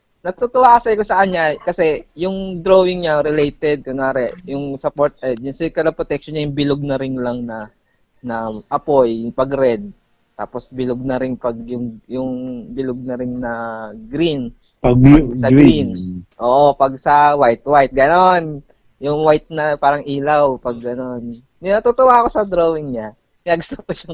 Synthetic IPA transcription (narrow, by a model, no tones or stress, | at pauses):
nɐt̪ut̪ʊwakɐsɐjkosɐkɐɲɲakɐsɛjʊŋd̪ɾowɪŋɲaɾɪlejt̪ɛd̪̚kʊnaːɾɛjʊŋsɐpoɹt̪̚ʔɛd̪̚jʊŋsilkɐlɐpɾot̪ɛk̚ʃonɲajʊŋbɪloɡ̚nɐɾɪnlɐŋnɐ | nɐʔɐpo̞jpɐɡɾɛd̪̚ | t̪a̰ːpo̞sbɪloɡ̚nɐɾɪnpɐɡ̚jʊŋjʊŋbɪloɡ̚nɐɾɪnnɐɡɾin | pɐsɐɡɾinʔo̞ːʔo̞pɐɡsɐwajt̪̚wajt̪̚ɡɐno̞n | jʊŋwajt̪̚nɐpaːɾɐŋʔiːlawpɐɡɡɐno̞nː | ɪnɐt̪ut̪owaɐko̞sɐd̪ɾowɪŋɲa | ɪnɐɡʊ̥st̪opɐʃɐŋ